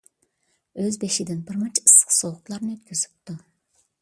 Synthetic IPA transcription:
øzbeʃid̪ɪnbɨɾmɨt͡ʃɨ̥sqsoʊqlˠɑɾnøt̪̚kʲʰyzy̥p̚t̪u

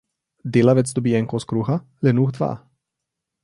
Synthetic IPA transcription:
d̪ilavɛt͡sd̪obiɛŋkoskɾuxa | lɛnuːxd̪va̰ː

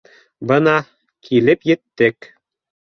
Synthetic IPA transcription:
bɤnɑ | kʰilɘpjɘ̆t̪ːɘk

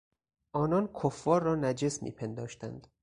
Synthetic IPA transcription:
ʔɒːnɒːnkʰofːɒːɾːɒːnæd͡ʒesmḭːpʰe̞nd̪ɒːʃt̪æ̰nd̪̥

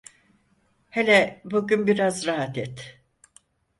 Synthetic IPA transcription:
helʲɛbuɟynbiɾazɾaɦat̪ʰɛt̪

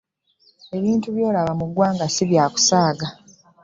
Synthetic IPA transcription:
e̞βiːntuβjo̞ːlaβamuɡwaːŋɡasiβjaːku̥saːɡa

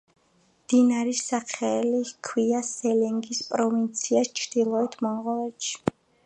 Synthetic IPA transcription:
md̪̥inaɾisaχɛlikʰwiasɛlɛŋɡispʼɾɔvint̪sʰiast͡ʃʰɾd̪̥ilˠɔɛt̪ʰmɔɴʁɔvɛʃʰi̥

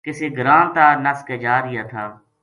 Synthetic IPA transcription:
kɪseɡɾãːnt̪aːnəskeːd͡ʒaːɾɪjaːt̪ʰaː

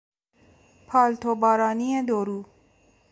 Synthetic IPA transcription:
pʰɒːlt̪ʰobɒːɾɒːnied̪oɾuː

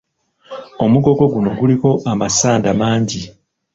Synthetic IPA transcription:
o̞muɡo̞ɡo̞ɡuno̞ɡuliko̞ʔamasaːndamaːɲɟi

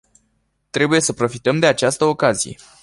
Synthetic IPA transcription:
t̪ɾe̞buje̞səpɾo̞fit̪əmd̪e̞at͡ʃast̪əo̞kazije̞̰

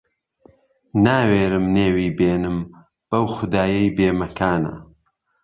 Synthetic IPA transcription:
naːweːɾɨmneːwiːbeːnɨm | b̥ɐwxʊd̪aːjɐjbeːmɐkʰaːnɐ̰

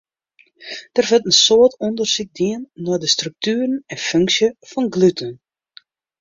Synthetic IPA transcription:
d̥ərfɪntənsoətɔndərsik̚diənːɔdəstryk̚tyːrənɛnføŋksjəfɔnɡlytʰən

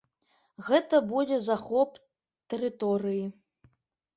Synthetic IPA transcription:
ɣɛt̪ɐbud͡zʲɛzaxɔp | t̪ɛɾɨt̪ɔɾɨji

